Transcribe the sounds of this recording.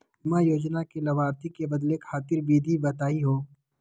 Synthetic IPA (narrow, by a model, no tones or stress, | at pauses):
mãjoːd͡ʒnakelɐʋaːɾt̪ikebɐd̪lekʰaːt̪ɪɾbiːd̪ʱibɐt̪aːiɦoː